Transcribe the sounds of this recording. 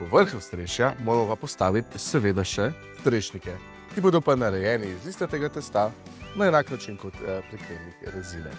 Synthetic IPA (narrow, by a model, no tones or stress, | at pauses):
pɔʋəɾxwst̪ɾeːʃjamoːɾɛmɔpapɔst̪aːʋit̪ʲsɛʋeːd̪aʃɛ | st̪ɾeʃnikɛ | kiboːd̪ɔpanaɾɛjɛːniːzlist̪at̪eːɡat̪ɛst̪a | naɛnaːknat͡ʃinkot̪pɾɛkɾemnixɾɛzinɛ̰